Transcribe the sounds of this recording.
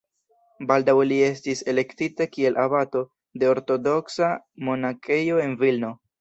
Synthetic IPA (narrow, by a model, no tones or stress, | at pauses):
baldawlie̞stise̞le̞ktitakie̞lʔabato̞ | de̞o̞ɾto̞do̞ksa | mo̞nakejo̞e̞nvilno̞